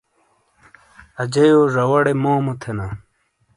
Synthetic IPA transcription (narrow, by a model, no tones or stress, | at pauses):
ɐd͡ʑejoːʐɐwɐɽemoːmut̪ʰena